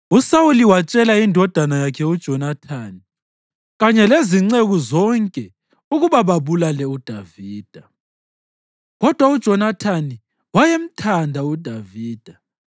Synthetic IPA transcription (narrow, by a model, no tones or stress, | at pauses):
usawuliwat͡ʃʼɛlaindʱɔd̥ʱanajakʰɛud̥ʒ̥ʱɔnatʰani | ɣaɲɛleziŋ͡ǀeɣuzɔŋkʼɛ | uɣuβaβaβulalɛud̥ʱaviːd̥ʱa | ɣɔd̥ʱwaud̥ʒ̥ʱɔnatʰani | wajem̩tʰandʱaud̥ʱaviːd̥ʱa